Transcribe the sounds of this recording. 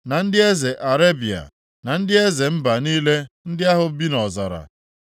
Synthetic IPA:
na˨n̩˦dɪ˦e˦ze˨ʔa˨ɾe˦bi˨a̰˨ | na˨n̩˦dɪ˦e˦ze˨m̩˦ba˨niː˦le˦n̩˦dɪ˦a˦ɦʊ˨bi˦nɔ˨za˨ɾa̰˨

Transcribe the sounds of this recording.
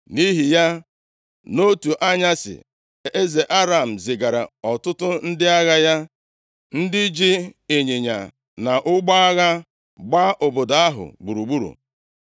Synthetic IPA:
ni˦ɦi˨ja˦ | no˦tu˨ʔa˦ɲa˦sɪ̰˨ | e˦ze˨ʔa˦ɾa˨m̩˨zɪ˨ɡa˨ɾa̰˨ɔ˨tʊ˦tʊ˦n̩˦dɪ˦a˦ɣa˦ja˦ | n̩˦dɪ˦d͡ʒi˦e˨ɲe˨ɲa̰˨ | na˨ʔʊ˦ɡ͡ba˦a˦ɣa˦ | ɡ͡ba˦ʔo˨bo˨da˨a˦ɦʊ̰˨ɡ͡bu˨ɾu˨ɡ͡bu˦ɾṵ˨

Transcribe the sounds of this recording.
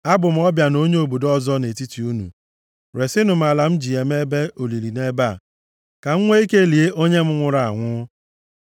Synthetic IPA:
a˦bʊ˨m̩˦ɔ˦bja˨no˦ɲe˦o˨bo˨dɔ˦zɔ˦ne˨ti˦ti˨u˦nṵ˨ | ɾe˨sɪ˦nʊ˨m̩˨˦a˨la˨m̩˦d͡ʒi˨e˨m˦e˦be˦ʔo˨li˨ɾi˨ne˦ba˦˨ | ka˨ŋ̩˦ŋʷe˦i˦ke˦˨li˨e˦ʔo˦ɲe˦m̩˦ŋʷʊ˦ɾa˨a̰˨ŋʷʊ˦

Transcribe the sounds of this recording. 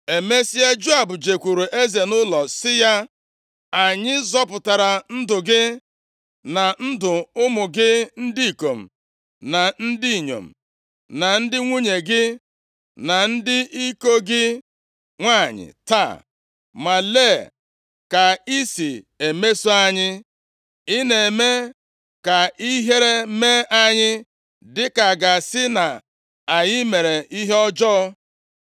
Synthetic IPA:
e˨me˦si˦e˦d͡ʒu˦a˨bʊ˨d͡ʒe˨kʷu˨ɾu˨ʔe˦ze˨nʊ˦lɔ˨sɪ˦ja˦ | a˨ɲɪ˦zɔ˦pʊ˨ta˨ɾa˨n̩˦dʊ˨ɡɪ˦ | na˨n̩˦dʊ˨ʊ˦mʊ˨ɡɪ˦n̩˦di˦i˨ko˨m̩˨ | na˨n̩˦di˦i˨ɲo̰˨m̩˨ | na˨n̩˦dɪ˦ŋʷu˦ɲe˨ɡɪ˦ | na˨n̩˦dɪ˦i˦ko˦ɡɪ˦ | ŋʷa˦˨ɲɪ̰˨ta̰˦˨ | ma˨le˦˨ | ka˨i˦si˨ | e˨me˦su˦a˦ɲɪ˦ | ɪ˦ne˨me˦ | ka˨i˦ɦe˦ɾe˦me˦ʔa˦ɲɪ˦ | dɪ˦ka˨ɡa˨sɪ˦na˨ | a˨ɲɪ˦me˨ɾe˨ʔi˦ɦe˦ɔ˦d͡ʒɔ˦

